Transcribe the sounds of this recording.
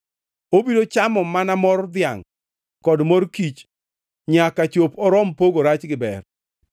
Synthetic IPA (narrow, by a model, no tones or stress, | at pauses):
obidot͡ʃamɔmanamɔɾd̪ɪaŋ | kɔdmoɾkit͡ʃ | ɲakat͡ʃopɔɾɔmpoɡoɾat͡ʃɡɪbɛ̰r